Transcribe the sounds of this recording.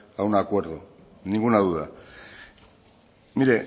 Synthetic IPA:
awnaːkwe̞ɾðo | niŋɡunaðuða | niɾe̞

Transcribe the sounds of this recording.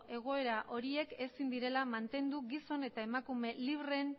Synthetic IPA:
ʔe̞ɣ̞o̞e̞ɾaʔo̞ɾie̞ke̞sind̪iɾe̞lamant̪e̞nd̪uɡiso̞ne̞t̪ae̞makume̞liβren

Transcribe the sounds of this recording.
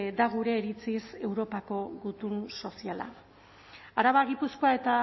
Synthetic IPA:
d̪aɣuɾe̞ːɾit͡sise̞wɾo̞pako̞ɣut̪unso̞siala̰ | aɾaβaɣipusko̞ae̞t̪a

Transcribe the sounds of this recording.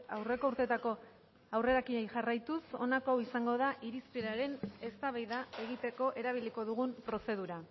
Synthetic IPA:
a̰wre̞ko̞uɾt̪e̞t̪ako̞ | awre̞ɾakiejʝarajt̪uso̞nako̞awisaŋɡo̞ðaʔiɾispeɾaɾe̞ne̞st̪aβajðae̞ɣit̪e̞ko̞ʔe̞ɾaβ̞iliko̞ðuɣumpɾo̞se̞ð̞uɾa

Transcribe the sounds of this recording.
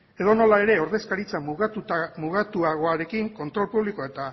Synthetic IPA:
e̞ðo̞no̞lae̞ɾe̞o̞ɾðe̞skaɾit͡sa | muɣat̪uaɣ̞o̞aɾe̞kiŋko̞nt̪ɾo̞lpuβliko̞et̪a

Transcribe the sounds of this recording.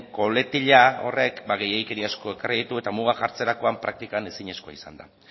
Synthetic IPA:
ko̞le̞t̪iʎao̞̰re̞kbaɣe̞jejke̞ɾiasko̞e̞karið̞it̪ue̞t̪amuɣ̞axaɾt͡se̞ɾako̞ampɾak̚t̪ikane̞siɲe̞sko̞a̰isa̰nd̪a̰

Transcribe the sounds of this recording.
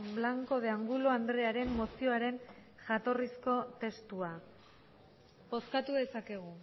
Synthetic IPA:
blaŋko̞ð̞eaŋɡuloand̪ɾe̞aɾe̞mːo̞sio̞aɾe̞n | ʝat̪o̞risko̞t̪e̞st̪ua | bo̞skat̪uðe̞sake̞ɣ̞u

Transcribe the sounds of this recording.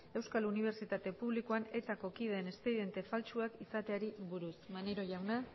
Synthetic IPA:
e̞wskaluniβ̞e̞ɾt͡ʃit̪at̪e̞puβlikoane̞t̪ako̞kiðne̞st̪ejðe̞nt̪e̞falt͡ʃuakisat̪e̞aɾiβuɾusmaneɾo̞ʝawna

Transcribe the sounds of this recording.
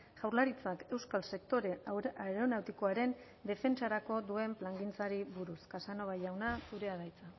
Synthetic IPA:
ʝ̥awɾlaɾit͡sake̞wskalse̞k̚t̪o̞ɾeaeɾonawt̪iko̞aɾe̞n | d̪e̞fe̞nt͡ʃaɾako̞d̪ue̞mplaŋɡint͡saɾiβuɾuskasano̞βajawnasuɾe̞aðajt͡sa

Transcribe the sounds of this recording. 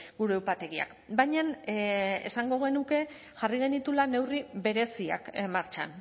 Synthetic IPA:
ɡuɾeːwpat̪e̞ɣia̰k | bajɲan | e̞̰saŋɡo̞ɣ̞e̞nuke̞ | ʝariɣe̞nit̪ulane̞wriβe̞ɾe̞sia̰kmaɾt͡ʃa̰n

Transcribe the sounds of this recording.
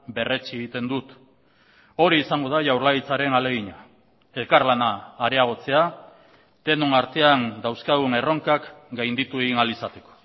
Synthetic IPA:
be̞re̞t͡sieɣit̪e̞nd̪ut̪ | o̞ɾiːsaŋɡo̞ð̞aʝawɾlaɣit͡saɾe̞nale̞ɣ̞iɲa | e̞lkarlanaːɾe̞aɣ̞o̞t͡se̞a | t̪e̞nonaɾt̪e̞and̪awskaðune̞ro̞ŋkakɡajnd̪it̪ue̞ɣinalisat̪e̞̥ko̥

